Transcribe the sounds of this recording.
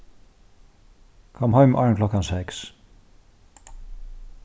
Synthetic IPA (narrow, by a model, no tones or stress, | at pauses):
kʰɔmɦɔɥmʔɑɹnklɔkansɛks